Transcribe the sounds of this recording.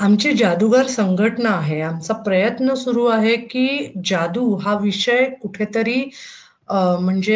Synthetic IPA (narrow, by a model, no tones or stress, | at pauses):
amt͡ɕed͡ʑad̪uɡaɾsəŋɡʱəʈɳaːɦeamt͡sapɾəjət̪nəsuɾuːaɦekiːd͡ʑad̪uɦaʋiʂəjkuʈʰet̪əɾiː | m̤əɳd͡ze